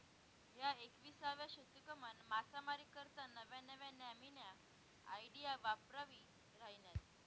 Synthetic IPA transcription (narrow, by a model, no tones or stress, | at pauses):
ɦjaekʋiːsaʋjaɕət̪ːukəmənmat͡samaɾikəɾt̪anəʋjãnəʋjãnaminjaː | iɖijaʋapɾaʋi | ɾaɦinjat̪